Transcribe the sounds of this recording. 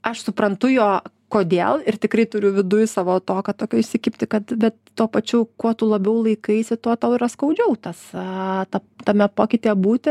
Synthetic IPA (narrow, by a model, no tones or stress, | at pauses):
ɐʃsʊpɾɐnt̪ʊjoː | koːd̪ʲeːlˠɪrt̪ʲɪkɾɐɪt̪ʊɾʲʊʋʲɪd̪ʊjsɑːʋoːt̪oːkɐt̪oːkʲoːɪʃʲsʲɪkʲɪpʲt̪ʲɪkɐt̪bʲɛt̪tuːpɐt͡ʃʲɛʊkuɔt̪ulˠɐbʲɛʊlˠɐɪkɐɪsʲɪt̪oɔt̪ɐʊɪɾɐskɐʊd͡ʒʲɛʊt̪ɐst̪ɐt̪ɐmʲɛpoːkʲɪt̪ʲeːɛbuːt̪ʲɪ